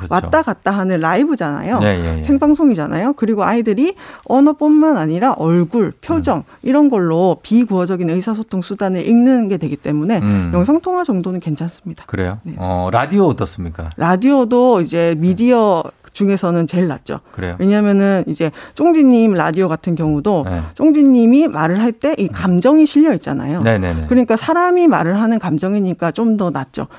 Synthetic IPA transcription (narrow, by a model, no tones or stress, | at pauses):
wʔatt͈aɡat̚t͈aɦanɯnɾaibɯd͡ʑana̰jonḛjḛsʰe̞ŋbaŋsʰoŋid͡ʑana̰jokɯɾiɡoaidɯɾiʌnʌp͈onmanaɲiɾaʔʌɭɡuɭpʰjod͡ʑʌŋ | iɾʌnɡʌɭːopikuʌd͡ʑʌɡinɯsʰas̬ʰotʰoŋsʰudanɯɾʔiŋnɯnɡe̞dwe̞ɡit͈e̞mune̞jʌŋsʰaŋtʰoŋɦad͡ʑʌŋdonɯnkwe̞nt͡ɕʰans͈ɯmɲid̥akɯɾḛjone̞ɾadioːt͈ʌs͈ɯmɲik͈a̰ɾadiodoid͡ʑe̞midiʌt͡ɕuŋe̞sʰʌnɯnt͡ɕe̞ɭːa̰t̚t͡ɕ͈o̰kɯɾejowe̞ɲamjʌnɯnid͡ʑe̞t͡ɕ͈oŋd͡ʑiɲːimɾa̰dioɡatʰɯnkjʌŋudot͡ɕ͈oŋd͡ʑiɲːimimaɾɯɭɦaɭt͈e̞ʔikamd͡ʑʌŋiɕʰiʎːʌit̚t͡ɕ͈a̰na̰jonenḛnekkɯɾʌɲik͈asʰaɾamima̰ɾɯɭɦanɯnkamd͡ʑʌŋiɲik͈at͡ɕ͈omdʌnat̚t͡ɕ͈o̰